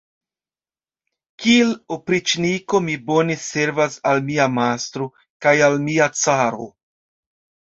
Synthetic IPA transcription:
kielopɾit͡ʃniko̞mibo̞nese̞ɾvasalmiamast̪ɾo̞ | kajalmiat͡saɾo̞̰

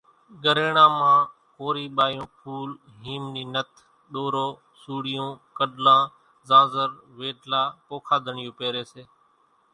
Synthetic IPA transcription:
ɡəɾeːɳãːmãː | koːɾiːɓaːjõːpʰuːl | ɦiːmniːnət̪ʰ | ɗoːɾoː | suːɽɪjõːkəɗlãː | zãːzəɾʋeːɖlaːpoːkʰaːd̪ʱəɳɪjõːpeːɾeːseː

